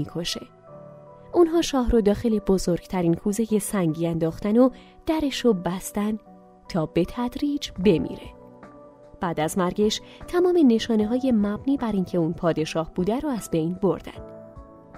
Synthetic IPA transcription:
ikʰo̞ʃe̞ | ʔunɦɒːʃɒːɦɾod̪ɒːxe̞le̞bo̞zoɾɡ̥t̪ʰæɾiːnkʰuːzejesæŋɟiːænd̪ɒːxt̪æno | d̪̥æɾe̞ʃobæst̪æn | t̪ʰɒːbe̞t̪ʰæd̪ɾiːd͡ʒbe̞mḭːɾe̞̰ | b̥æːd̪æzmæɾɡe̞ʃt̪ʰæmɒːme̞ne̞ʃɒːne̞ɦɒːje̞mæbniːbæɾiːncʰe̞unpʰɒːd̪e̞ʃɒːhb̥uːd̪æɾoæzbe̞jnbo̞ɾd̪æ̰nd̪̥

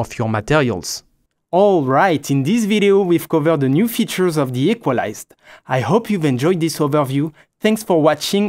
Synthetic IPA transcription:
ɔfjɔmat̪ɛʁjə̰lz̥ | ɔlɹajtʰĩnd̪is̬viɾeowiv̥kɔvə˞d̪ənjufit͡ʃə˞zɔvðiɛkwala̰jzd | ajhopʰjuvɛ̃nd͡ʒɔjd̪d̪isovə˞vju | θɛ̃ŋksfɔwɑt͡ʃɪ̃ŋ

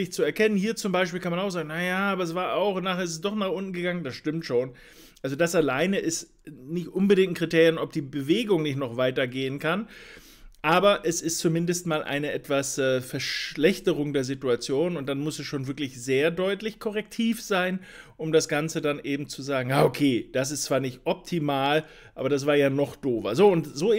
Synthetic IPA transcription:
ɪçt͡suɛɐkʰɛnənhiːɐt͡sʊmbaɪʃ̬piːlkʰanmanaʊxz̥aːɡŋ̩najaːʔaːbɐɛsv̥aːɐʔaʊxnaːχeɐɪs̬t̬ɛs̬d̥ɔχnaːχʔʊntn̩ɡəɡaŋəndasʃtɪmtʃoːn | ʔalzodasalaɪnəʔɪs | nɪçtʔʊnbədɪŋtn̩kʁ̥itʰeːʁjənʔɔp̚d̥iːbəveːɡʊŋnɪçtnɔχv̥aɪtɐɡeːənkʰan | ʔaːbɐʔɛsɪstt͡sumɪndəstmaːlʔa̰ɪnəʔɛtv̥asʔɛːfɛɐʃlɛçtəʁʊŋdeːɐzituat͡sjoːnʊnt̚d̥anmʊsɛsʃoːnvɪɐklɪçz̥eːɐdɔʏtlɪçkʰɔʁ̞ɛk̚tʰiːfz̥aɪn | ʔʊmdasɡ̥ant͡sədanʔeːbm̩t͡suzaːɡŋ̩jaːʔokʰeːd̥as̬ɪstt͡sv̥aːɐnɪçtʔɔp̚tʰimaːl | ʔʔaːbɐdas̬v̥aːɐjaːnɔχd̥oːvɐ̰zoːʊntz̥oː

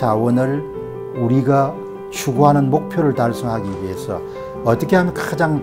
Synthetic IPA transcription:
awʌnɯɭ | uɾiɡa | ɕʰuɡuɦanɯnmok̚pʰjoɾɯɭtaɭsʰʌŋɦaɡiɥiɦe̞sʰʌ̰ | ʌt͈ʌkʰeɦamjʌnkad͡ʑaŋ

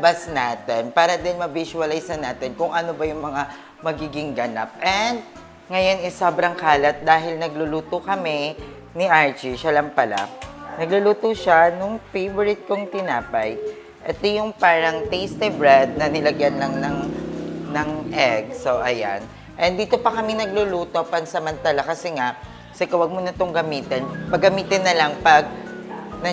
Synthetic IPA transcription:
basnaːt̪ɛnpaːɾɐd̪ɛnmɐbisʊɐlajsɐnaːt̪ɛnkʊŋʔɐnobɐjʊŋmɐŋa | mɐɡiːɡɪŋɡɐnap̚ʔɛnd̪̚ | ŋɐjo̞nɛsobɾɐŋkaːlɐt̪̚d̪aːɦɪlnɐɡlʊluːt̪okɐmɛ | nɪʔaɹt͡ʃiʃɐlɐmpɐla̰nɐɡlʊluːt̪oʃanʊŋfejvoɾɪt̪̚koŋt̪ɪnaːpɐj | ʔɛt̪ojʊŋpaːɾɐŋt̪ɛjst̪ɛbɹɛd̪̚nɐnɪlɐɡjanlɐŋnɐŋnɐŋʔɛɡsoʔɐja̰n | ʔɛnd̪iːt̪o̞pɐkɐmɪnɐɡ̚lʊluːt̪o̞pɐnsɐmɐnt̪alakɐsɛŋa | sɛkɐwɐɡ̚monɐt̪oŋɡɐmiːt̪ɛnpɐɡɐmiːt̪ɪnːɐlaŋpɐɡ̚nɐ

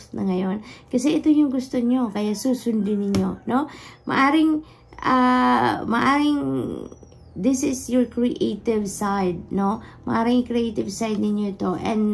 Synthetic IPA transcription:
nʔɐ̰ŋɐjo̞nkɐsɛʔɪt̪ojʊŋɡʊst̪o̞ɲo̞kɐjasuːsʊnd̪ɪnɪɲo̞no̞mʔɐ̰ʔaːɾɪŋ | ʔa | mɐ̰ʔaːɾɪŋ | d̪ɪsɪsjoɹkɹiʔejt̪ɪvsajd̪̚no̞mɐ̰ʔaːɾɪŋkɾɪejt̪ɪvsajd̪̚nɪɲjoɪt̪o̞ʔɛ̰̃nd̪

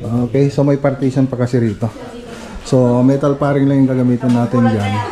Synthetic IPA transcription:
ʔoːkɛjsomɐjpɐɾt̪iːsɐnpɐkɐsɪɾiːt̪o̞ | somɛt̪ɐlpaːɾɪŋlɐŋjʊŋkɐɡɐmiːt̪ɐnːaːt̪ɪnd͡ʒan

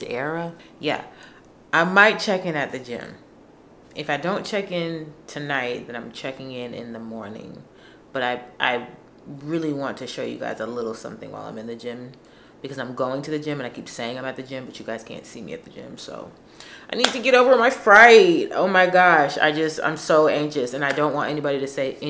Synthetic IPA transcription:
ɛɹəjæ̰ | ʔaɪmaɪt̚t͡ʃʰɛkɨ̃nɨt̪̚ðɨd͡ʒɪ̰̃m | ɨfaɪdõʊ̃nt͡ʃʰɛkɪ̃ntʰɨnaɪt̚ðɨ̃ñãɪ̃mt͡ʃʰɛkɪ̃ŋɪ̃nɪ̰̃nðəmɔɹnɪ̰̃ŋ | b̥ʌɾaɪʔa̰ɪ | ɹɪlˠiwɑ̃ntʰɨʃoʊjɨ̰ɡa̰ɪzəlɪɾl̩ˠsʌ̰̃mθɪ̃ŋwaɪlˠã̰ɪ̃mɨ̃nðɨd͡ʒɪ̃m | b̥ɨkʰʌzãɪ̃mɡoʊɪ̃ŋtʰɨðɨd͡ʒɪ̃mɨ̃ñaɪkʰipseɪɪ̃ŋãɪ̃mɨt̪̚ðɨd͡ʒɪ̃mbʌt͡ʃɨɡaɪz̥kʰæ̰̃ntsimḭɨ̰t̪̚ðɨd͡ʒɪ̰̃mso̰ʊ | ʔaɪnid̚tɨɡɛɾoʊvə˞ɨ̃maɪfɹaɪt̚o̰ʊmaɪɡɑʃa̰ɪd͡ʒʌstã̰ɪ̃msoʊæ̃ŋkʃɨsɨ̃naɪdõʊ̃nʔwɑ̰̃ntɛnibɑɾiɾɨseɪ

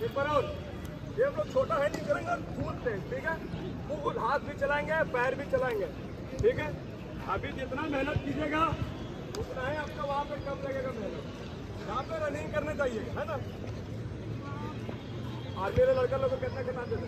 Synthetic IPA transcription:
iːbəɾoːɾ | jeaploːɡ̚t͡ʃʰoːʈaɦɛːnɪ̃kɐɾẽːŋɡeɾd̪ʱuːlt̪ẽʈʰiːkɛː | kulɦaːt̪̚bʱit͡ʃɐlaːẽːŋɡepɛɦəɾbʱit͡ʃɐlaːẽːŋɡeː | ʈʰiːkɛː | ɐbʱid͡ʒɪt̪namɛɦnət̪kid͡ʒeːɡaː | ʊt̪naːɦẽaːp̚kaʋɐɦãpekɐmlɐɡeːɡamɛɦnət̪ | jɐɦãpeɾɐnɪĩkɐɾnet͡ʃaːɦieːɡaɦɛːnaː | ɔːɾmeːɾelɐɽkəɾloːɡokɛːt̪nakɐnad̪eːt̪ː

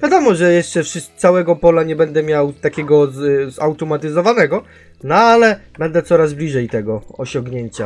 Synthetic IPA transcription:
vʲjad̪ɔmɔʐɛjɛʂt͡ʂɛfʂɘssawɛɡɔpɔlaɲɛbɛnd̪ɛmʲjawt̪akʲɛɡɔzzawt̪ɔmat̪ɘzɔvanɛɡɔ | nɔalɛbɛnd̪ɛt̪sɔɾazblʲiʐɛjt̪ɛɡɔɔɕɔŋɡɲeɲt͡ɕa

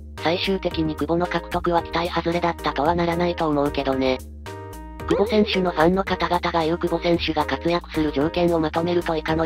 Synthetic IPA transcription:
saiɕɨːt̪e̞kʲiɲ̟ikɯ̟ɡo̞no̞kakɯ̟̥t̪o̞kɯ̟βakʲi̥t̪aihazɨɾe̞d̪at̪ːat̪oβanaɾanait̪o̞ːmo̞ɯ̟ke̞d̪o̞ne̞ | kɯ̟ɡo̞sẽ̞ɰ̃ɕɨno̞hãnːo̞kat̪aɡat̪aɡajokɯ̟ɡo̞sẽ̞ɰ̃ɕɨɡakat͡sɨjakɯ̟̥sɨɾɯ̟ʑo̞ːkẽ̞ɰ̃o̞mat̪o̞me̞ɾɯ̟t̪o̞ekano̞

